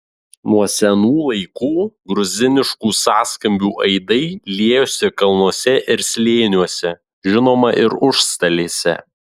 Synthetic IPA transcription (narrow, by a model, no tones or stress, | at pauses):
nuɔsʲɛnuːlˠɐɪkuːɡɾʊzʲɪnʲɪʃkuːsɑːskɐmʲbʲuːʔɐɪd̪ɐɪlʲiɛjʊsʲɪkɐlˠnuɔsʲɛʔɪɾsʲlʲeːnʲuɔsʲɛ | ʒʲɪnoːmɐʔɪɾʊʃst̪ɐlʲeːsʲɛ̰